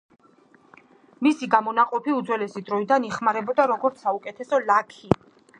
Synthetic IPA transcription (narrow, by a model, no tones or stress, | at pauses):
misiɡamɔnaqʼɔpʰiud̪zwɛlɛsid̪ɾɔid̪aniχmaɾɛbɔd̪aɾɔɡɔɾt̪sʰaukʼɛt̪ʰɛsɔlakʰi